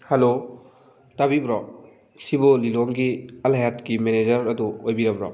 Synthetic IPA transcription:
hɐlo | tabibɾɔ | sibuliloŋɡiɐlajatkimened͡ʒɐɾɐduojbiɾɐbɾɔ̰

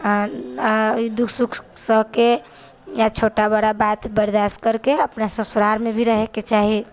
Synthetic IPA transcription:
id̪ukʰsukʰsəɦke | jat͡ʃʰoʈabəɽabat̪bəɾd̪askəɾkeəpnasə̃suɾaɾmebʱiɾəɦeket͡ʃaɦi

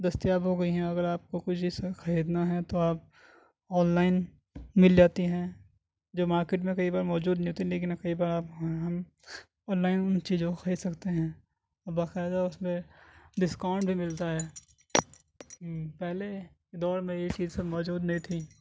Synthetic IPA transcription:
d̪ɐst̪ijaːbɦoːɡɐiɦɛ̃ɐɡəɾaːp̚kokʊt͡ʃʰbʱisexɐɾiːd̪naɦɛ̃t̪oaːp̚ | ɔːnlaːɪn | mɪld͡ʒaːt̪iɦɛ̃ː | d͡ʒoːmaːɾkeːʈmẽkɐibaːɾmɔːd͡ʒuːd̪nɐɦĩot̪ʰiileːk̬ɪnɐkɐibaːɾaːpɦɐm | ɔːnlaːɪnʊnt͡ʃiːzõxɐiːd̪sɐkt̪eɦɛ̃ː | baːkɛːd̪aʊsmẽɖɪskaːʊ̃ɳɖbʱimɪlt̪aɦɛː | pɛɦle | d̪ɔːɾmẽjet͡ʃiːzsɐmɔːd͡ʒuːd̪nɐɦĩt̪ʰiː

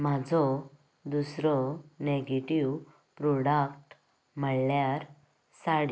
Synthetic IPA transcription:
mad͡zʱɔ | d̪usɾɔneɡeʈiw | pɾɔɽakʈ | m̤əɭljaɾ | saɽi

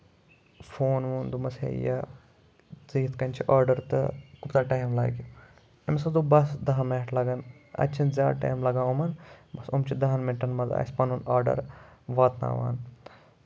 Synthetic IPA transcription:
fʰoːnʋuːnd̪umɐsḛjɐ̰ | ziːit̪kɐnʲt͡ʃʰiʔaːɾɖɐɾt̪ɨkupt̪aːʈaːmla̰ːɡʲi | ɐmsɐzubɐsd̪ɐɦɐmɐːʈʰlɐɡɐn | ɐ̰t͡ʃʰinzʲaːʈɐ̰ːmlɐɡãːumɐnbɐsumt͡ʃʰid̪ɐɦɐnmenʈɐnmɐzɐ̰ːsʲpɐnunaːɾɖɐ̰ɾʋaːt̪na̰ːʋa̰ːn

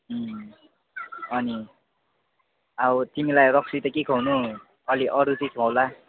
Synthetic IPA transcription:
ʌni | awt̪imilajrʌksit̪ʌkikʰʌwnu | ʌliʔʌɾutikʰʌwla

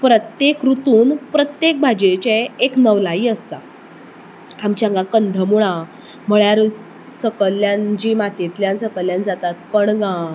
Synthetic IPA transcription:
pɾət̪jekɾut̪uːnpɾət̪jek̚bʱad͡ʑet͡ɕeeknəʋlaiːəst̪a | amt͡ɕãŋɡãkənd̪ʱəmuɭ̃ã | m̤əɭjaɾut͡s | səkəlːjãnd͡ʑiːmat̪et̪ljãnsəkəljãnd͡zat̪at̪kəɳɡã

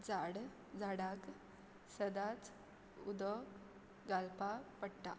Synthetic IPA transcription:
d͡zaɽ | d͡zaɽak | səd̪at͡s | ud̪ɔ | ɡalpapəɽʈa̰

